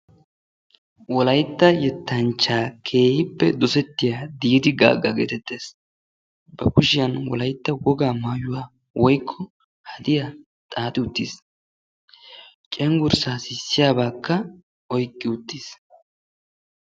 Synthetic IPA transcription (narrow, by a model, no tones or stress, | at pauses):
wɔlɐjt̪ːɐjɛt̪ːɐnt͡ʃːaːkʰe̞ːhɪpːɛ̰d̪ɔsɛt̪ːɪjaːd̪iːd̪ɪɡa̰ːɡɐɡḛːt̪ɛt̪ʰːe̞ːs | b̥ɐkʊʃɪjɐnwɔ̰lɐjt̪ːɐwɔɡaːmaːjʊwaː | wɔjkʰːɔ | hɐd̪ɪjɐ | t̪ʼaːt̪ʼɪʊt̪ːis | t͡ʃʼɛŋɡʊɾsaːsɪsːɪjaːbaːkːɐ | ɔjkʼːɪʊt̪ːiːs